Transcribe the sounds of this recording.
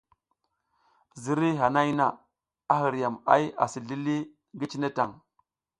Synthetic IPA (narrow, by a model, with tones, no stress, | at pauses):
zi˦ɾi˦ɦa˨na˦jna˨ | a˦ɦi˨ɾja˨ma̰˦ja̰˨si˨ɮi˦li˦ | ŋɡi˦t͡ʃi˦ne˦ta˨ŋ